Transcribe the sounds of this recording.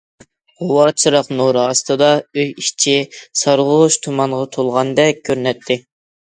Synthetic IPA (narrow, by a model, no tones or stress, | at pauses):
ʁowɑt͡ʃʰɨɾɑqnuɾɑst̪ɨd̪ɑøjiʃt͡ʃʰisɑɾʁʊʃt̪ʰumɑɴʁɑt̪ʰolˠʁɑnd̪ɛk̚ʲkʲʰːøɾnɛt̪ʰːɪ